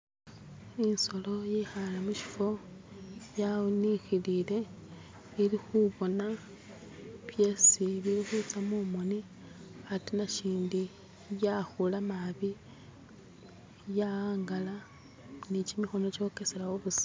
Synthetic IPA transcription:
inso̞lo̞jexalamuʃi̥fo̞ | janixilile̞ | iɾixuβo̞na | βje̞siβiɾixut͡samumoni | atinaʃiːndi | jaxulamaβi | jaaːŋɡala | nicimixo̞no̞t͡ʃo̞keselawoβusḁ

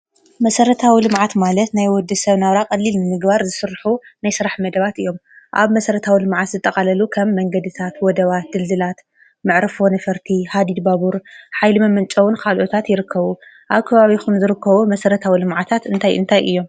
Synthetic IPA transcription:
mɐsɐɾɐt̪ʰawilɨmʕat̪malɐt̪najwɔd̪ːɨsɐβnaβɾakʼɐlːilnɨmɨɡbaɾzɨsɨɾħunajsɨɾaħmɐd̪ɐβat̪ɨjːo̞mʔa̰βmɐsɐɾɐt̪ʰawilɨmʕat̪zɨt̪ʼːɐkʼalɐlukʰɐmːɐŋɡɐd̪ɨt̪ʰat̪wɔd̪ɐβat̪̚d̪ɨld̪ɨlat̪ | mɨʕɾɨfo̞nɐfɐɾt̪ʰihad̪id̪baβuɾħajlɨmɐmɐnt͡ʃʼɐwunkʰalʔot̪ʰat̪jɪɾɨkʰːɐβu | ʔaβkʰɐβaβikumzɨɾɨkːɐβumɐsɐɾɐt̪ʰawilɨmʕat̪ʰat̪ʔɨnt̪ʰajʔɨ̰nt̪ʰajʔɨjːo̞m

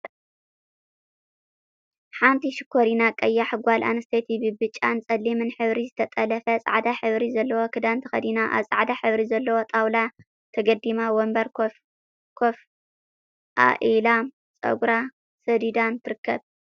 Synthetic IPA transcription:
ħant̪ʰiʃɪkʰːoɾinakʼɐjːaħɨɡʷalʔa̰nɨst̪ʰet̪ʰibɨbɨt͡ʃʼːant͡sʼɐlːimɨnħɨβɾizɨt̪ʰɐt̪ʼɐlɐfɐsʼa̰ʕd̪aħɨβɾizɐlːɐwo̞kʰɨd̪ant̪ʰɐxɐ̰d̪inaʔa̰βsʼaʕd̪aħɨβɾizɐlːɐwo̞t̪ʼawla | t̪ʰɐɡɐd̪imawombɐɾ | kʰof | ʔa̰ʔilam | t͡sʼɐ̰ɡɾa | sɐd̪id̪ant̪ʰɨɾɨkːɐβ

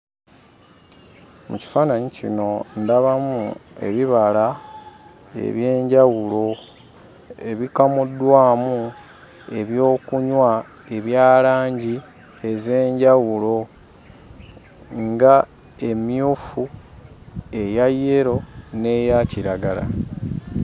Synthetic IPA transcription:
mṵci̥faːnaɲicino̞ndaβamṵe̞̰βiβala | ḛβje̞ːɲɟawulo̞ | e̞βikamudwaːmu | e̞βjo̞ːkuɲwa | e̞βjaːlaːɲɟi | e̞ze̞ːɲɟawulo̞ | ŋɡa | e̞mjuːfu | e̞jajːeɾo̞ne̞jaciɾaɡala̰

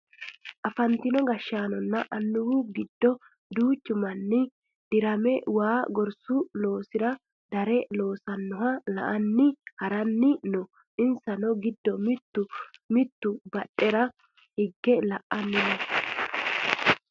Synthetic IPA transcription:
ʔɐfɐnt̪ɪnɔɡɐʃːaːnɔnːɐʔɐnːʊwʊɡɪd̪ːɔ | d̪uːt͡ʃːʊmɐnːɪ | d̪̥ɪɾɐmɛwaːɡɔɾsʊlo̞ːsɪɾɐ | d̪̥ɐɾɛlo̞ːsɐnːɔhɐlɐ̰ʔɐnːɪhɐɾɐnːɪnɔ | ʔɪnsɐnɔɡɪd̪ːɔmɪt̪ːʊmɪt̪ːʊbɐɗːɛɾɐ | hɪɡːɛlɐʔːɐnːɪnɛ

